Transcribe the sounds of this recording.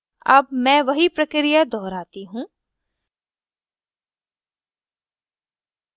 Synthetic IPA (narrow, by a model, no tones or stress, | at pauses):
ɐ̰bmɛ̃ʋɐɦipɾɐkɾijad̪ɔːɾaːt̪iɦũː